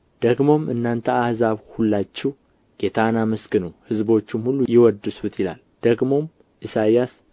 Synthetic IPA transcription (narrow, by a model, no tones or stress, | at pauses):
d̪̥əɡmo̞mɨ̰nːant̪ʰəahzaβhulːat͡ʃːɛw | ɡ̥et̪ʰanamɨskɨnəwhɨzbo̞t͡ʃːɪmhulːujɪwɔd̪ɨsut̪jɪla̰l | d̪̥əɡmo̞m | ʔɨsajas